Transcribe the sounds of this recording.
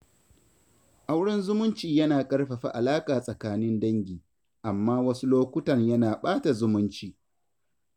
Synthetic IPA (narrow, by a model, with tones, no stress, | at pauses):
ʔa˦wɽɪ˦nzʊ˦mʊ˦nt͡ʃiː˨jɐ˦naː˨kʼɐ˦rɸɐ˨ɸa̰˦˨ʔa˨laː˦kʼaː˨sʼɐ˨kaː˦nɪ˦ndɐ˦ŋɡʲiː˨ | ʔa˨mːaː˦wɐ˦su˦loː˦kʷʊ˦tɐ˨ɲjɐ˦naː˨ɓaː˦ta˨zʊ˦mʊ˦nt͡ʃiː˨